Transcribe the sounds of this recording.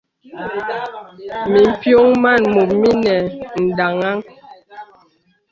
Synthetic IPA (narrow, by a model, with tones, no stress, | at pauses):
mi˨m̩˨pjo˦ŋma˦˨nmu˨p̚mi˦nɛ˨n̩˨da˨ŋa˦ŋ